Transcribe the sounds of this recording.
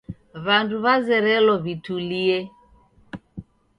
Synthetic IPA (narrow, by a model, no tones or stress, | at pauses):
βanduβazɛɾɛlɔβituliɛ